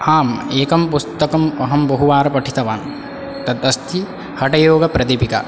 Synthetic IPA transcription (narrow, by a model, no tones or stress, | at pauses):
aːmeːkɐmpust̪ɐkɐmɐɦɐmbɐɦuʋaːɾɐpɐʈʰit̪ɐʋaːn | t̪ɐt̪ɐst̪ʰi | hɐʈɐjoːɡɐpɾɐd̪ipikɐ̰